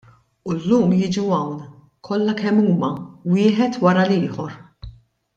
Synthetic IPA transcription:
ulːuːmjɪːd͡ʒuɐwn | kʰɔlːɐkɛmːuːmɐwɪːħɛt̪wɐɾɐlɪːħɔɾ

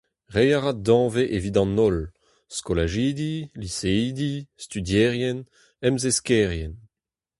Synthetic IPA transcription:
ʁejaʁat̚d̪ɑ̃ːveʔevid̪ɑ̃nɔl | skolaʒid̪iliseiːd̪ist̪yd̪jɛːʁjɛn | ɛmzeskɛʁjɛn

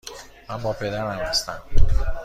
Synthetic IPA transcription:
mænbɒːpʰe̞d̪æɾæmhæst̪æ̰m

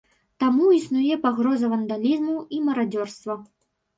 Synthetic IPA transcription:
t̪amuisnujɛpaɣɾɔzɐvɐnd̪alʲizmuimɐɾad͡zʲɔrst̪vɐ

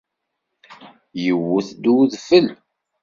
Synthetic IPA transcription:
jəwuθd̪uðfəl

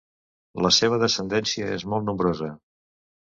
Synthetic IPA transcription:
ləseβ̞əðəsənd̪ɛnsiəḛzmɔlˠt̪numbɾozə

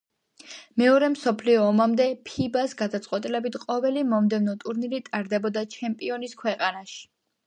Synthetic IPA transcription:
mɛɔɾɛmsɔpʰliɔːmamd̪ɛpʰibasɡad̪at̪sʼqʼwɛt̪ʼilɛbit̪ʰqʼɔvɛlimɔmd̪ɛvnɔt̪ʼuɾnilit̪ʼaɾd̪ɛbɔd̪at͡ʃʰɛmpʼiɔniskʰwɛqʼanaʃi̥

